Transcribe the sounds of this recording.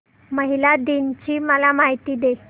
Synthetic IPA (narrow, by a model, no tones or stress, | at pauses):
məɦilad̪int͡ɕiːməlamaɦit̪iːd̪e